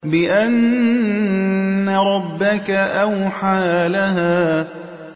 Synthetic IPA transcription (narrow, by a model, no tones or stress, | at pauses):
bɪʔan | aɾˤɑbːakaʔawħaːlaɦaː